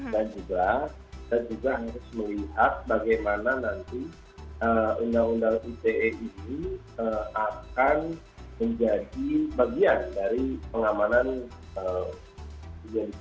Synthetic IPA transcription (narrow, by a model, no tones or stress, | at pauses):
dand͡ʒuɡa | d̥and͡ʒuɡaɦaɾʊsməliɦat̪̚baɡajmananant̪i | əundaŋundaŋut̪eʔeʔini | əakan | məɲd͡ʒadibaɡiandaɾipəŋamananə | ɡadi